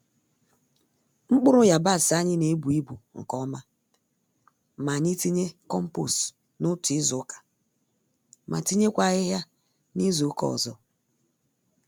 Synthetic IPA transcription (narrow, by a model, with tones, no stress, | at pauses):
ŋ͡m̩˦k͡pʊ˦ɾʊ˦ja˨ba˦˨sa˦ɲɪ˦ne˨˦bu˨i˦bṵ˨ŋ̩˨kɔ˦ma˦ | ma˨ɲi˦ti˦ɲe˦kɔ˦m̩˦po̰˦˨s | nʊ˦tʊ˨ɪ˦zʊ˨˦kḁ˨ | ma̰˨ti˦ɲe˦kʷa˨ɣɪ˦ɦja˦ | ni˦zo˨˦kɔ̰˦˨zɔ˦